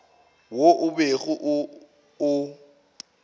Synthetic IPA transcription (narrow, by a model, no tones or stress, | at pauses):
woʔʊbeɣʊʔʊː